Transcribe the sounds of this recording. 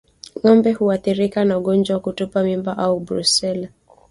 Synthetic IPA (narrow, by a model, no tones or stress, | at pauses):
ŋɔmbɛhuaθiɾikanauɠɔnd͡ʒwawakutupamimbaʔaubɾṵsɛl